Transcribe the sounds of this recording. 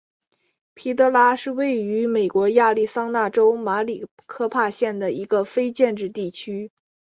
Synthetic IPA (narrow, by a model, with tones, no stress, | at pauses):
pʰi˧˥t̪ɤ˧˥la˥ʂɻ̩˥˧we˥˩ɪy˧˥me˨˩ɪkwɔ˧˥ja˥˧li˥˩sɑ˥ŋna˥˩ʈ͡ʂo˥ʊma˧˥li˨˩ | kʰɤ˥˧pʰa˥˧ɕjɛ˥˩nd̪ə˩i˧˥ɡə˧fe˥ɪt͡ɕjɛ˥˧nʈ͡ʂɻ̩˥˧t̪i˥˩t͡ɕʰy˥